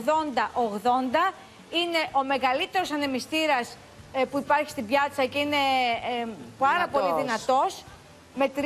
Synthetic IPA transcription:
ðo̞nd̪ɐʔo̞ɣðo̞nd̪ɐ | ine̞ʔo̞me̞ɣɐlit̪e̞ɾo̞sɐne̞mist̪iɾɐs | puipɐɾçi̥st̪ibʝɐt͡sɐceine̞ | pɐɾɐpo̞liðinɐt̪o̞s | me̞t̪ɾ

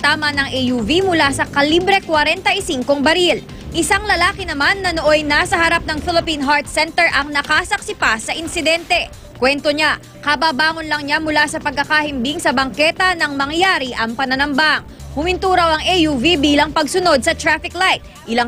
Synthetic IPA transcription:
t̪aːmɐnɐŋʔɛjuvimʊlasɐkɐlibɾɛkwɐɾɛnt̪ɐʔisiŋkoŋbɐɾil | ʔɪsaŋlɐlaːkɪnɐmanːɐnoʔojnasɐhɐɾap̚nɐŋfɪlɪpinɦaɹt̪̚sɛnt̪ɛɹʔɐŋnɐkasɐksɪpasɐʔɪnsɪd̪ɛnt̪ɛ | kwɛnt̪oɲa | kɐbaːbaːŋonlɐŋɲamʊlasɐpɐɡ̚kːɐkahɪmbiŋsɐbɐŋkɛt̪ɐnɐŋmɐŋjaːɾiʔɐŋpɐnɐnɐmbaʔŋhʊmɪnt̪uːɾɐwɐŋʔɛjuvibiːlɐŋpɐɡsʊno̞d̪̚sɐt̪ɾafɪklajt̪̚ | ʔɪlaŋ

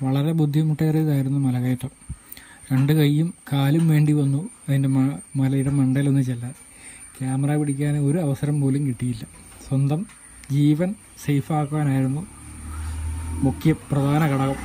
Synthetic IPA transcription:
ʋɐɭɐɾe̞bud̪ʱːimuʈːeːrijiðaːjiɾunːumɐlɐɣɐjɐʈːɐ | kɐɳɖɨkɐjːumkaːlumʋe̞ːɳɖiʋɐnːuɐðinde̞mɐmɐlɐjuɽemɐɳɖɐjilo̞nːɨt͡ɕelːɐ | kʲjaːmɐraːpiɽikʲːaːno̞ɾuɐʋɐsɐɾɐmpoːlumkiʈːijilːɐswɐnd̪ɐm | d͡ʑiːʋɐn | sejfaːkuʋaːnaːjiɾunːu | mukʰjɐprɐd̪ʱaːnɐkɐɽɐɣɐm

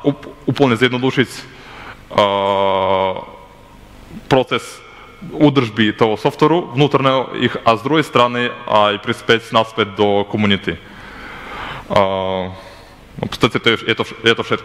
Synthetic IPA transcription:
uuplˠnɛzɛd̪nod̪uʃisʲ | pɾɔt̪sɛs | ud̪r̩ʒbit̪oɔsɔft̪vɛɾuvnut̪aɾnɛḭxazd̪ɾuɡest̪ɾaniipɾispɛsʲnaspɛt̪̚d̪ɔkomunʲit̪i | pst̪asʲɛt̪ɔɛɛt̪ɔɛt̪ɔfʃɛt̪k

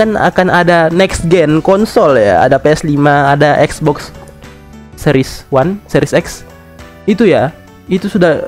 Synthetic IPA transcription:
ana̰kanadanɛkst̪̚ɡɛnkɔnsɔlja̰a̰dapeɛslimaːdaʔɛksbɔks | ɛɾɪswansɛɾisɛks | it̪uja | it̪usudah

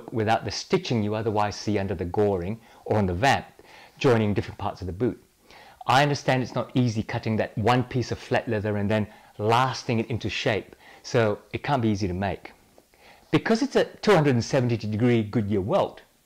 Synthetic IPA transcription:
kwɨθaʊt̪̚ðɨstɪt͡ʃɪ̃ŋjɨʌðə˞waɪz̥siʌ̃ndə˞ðɨɡɔɹɪ̃ŋ | ə˞ɨ̃nðəvæ̃mp̚d̥ʒ̥ɔ̃ɪ̃nɪ̃ŋdɪfɹɨ̃n̩pʰɑ̰ɹtsʌvðəbʉt̚ | aɪʌ̃ndə˞stæ̃ndɨtsnəɾizikʰʌɾɪ̃ŋðɨt̚wʌ̃npʰisʌv̥flɛ̰ʔˡlɛðə˞ɨ̃nðɨ̃n | læstɪ̃ŋɨɾɪ̃ntʉʃeɪp̚soʊɨt̚kʰæ̃nb̥iiziɾɨmeɪk | b̥ɨkʰʌzɨtsɨtʰuhʌ̃ndɹɨdn̩sɛvn̩titɨdɨɡɹiɡʊd̚jɪɹwɛlˠt

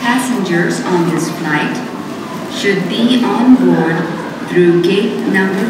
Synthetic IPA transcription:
pæsɪ̃nd͡ʒəɾzɔ̃nd̪ɪsflaɪʈ | ʃʊɖ̚biɔ̃ːnbɔːɾɖ | t̪ʰɾuːɡeːt̚nʌ̃mbəɾ

